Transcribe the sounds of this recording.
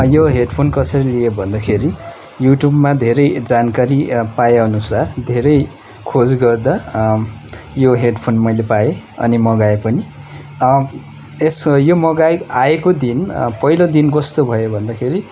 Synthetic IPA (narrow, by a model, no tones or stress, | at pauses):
joɦeɖpʰonkʌsʌɾilijebʱʌnd̪akʰeɾi | juʈjubmad̪ʱeɾʌjd͡zankaɾipajeʌnusard̪ʱeɾʌj | kʰod͡zɡʌrd̪a | joɦeɖpʰonmʌjlepae | ʌ̰nimʌɡaepʌni | esjomʌɡajaekod̪inpʌilod̪inkʌst̪obʱʌjobʱʌnd̪akʰeɾi